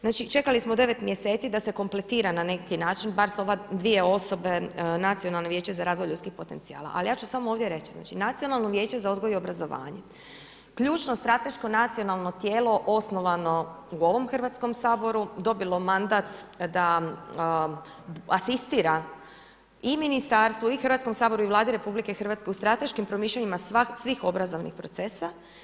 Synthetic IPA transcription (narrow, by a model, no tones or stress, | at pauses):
znaːt͡ʃit͡ʃe̞kalismod̪e̞ʋe̞t̪mje̞se̞ːt̪sid̪ase̞ko̞mple̞t̪iːɾanane̞kinaːt͡ʃinbaɾso̞ʋad̪ʋije̞o̞so̞be̞nat̪sijo̞nalˠneʋje̞ːt͡ʃezaɾaːzʋojlʎut̪skixpo̞t̪e̞nt̪sia̰ːlˠa̰ʔa̰lijaːt͡ʃusamooːʋd̪je̞ɾe̞t͡ʃizna̰ːt͡ʃinat̪sijo̞nalˠnoʋje̞ːt͡ɕe̞zao̞d̪ɡojiobɾazo̞ʋa̰ːɲe | kʎuːt͡ʃno̞st̪ɾat̪e̞ʃko̞nat̪sijo̞nalˠno̞t̪jeːlo̞ʔo̞sno̞ʋano̞uo̞ʋo̞mxr̩ʋat̪sko̞msaːbo̞ɾud̪o̞bilˠo̞mand̪at̪d̪a | asist̪iɾa | iminist̪aɾst̪ʋoixɾr̩ʋat̪sko̞msaːbo̞ɾuiʋlˠaːd̪iɾe̞publike̞xrʋat̪skeust̪ɾat̪e̞ʃkimpɾo̞miːʃlʲʎeɲimasasʋixo̞bɾazo̞ʋnixpɾo̞t̪se̞sa